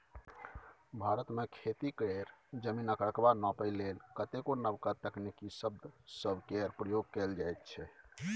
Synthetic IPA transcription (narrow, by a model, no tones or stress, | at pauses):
bʱaɾət̪mekʰet̪ikɽeɾd͡ʒəminəkəɾəkbanɔpəɪlelkət̪ekonəbkat̪əknekisəb̚d̪ʱsəbkɛɾpɾəjoɡ̚kɛld͡ʒajt̪̚t͡ʃʰɛ